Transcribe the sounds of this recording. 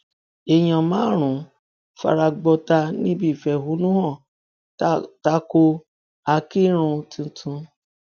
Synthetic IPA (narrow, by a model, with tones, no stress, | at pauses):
e˨j̃ã˨mãː˨˦ɾ̃ũ˨˦ | fa̰˧ɾa˧ɡ͡bɔ˧ta˧nĩ˦bi˦˨fɛ˨ɦu˨˦nũ˦hɔ̃˦˨ | ta˦ko˧ | a˧ki˦ɾ̃ũ˧tũ˧tʰũ˧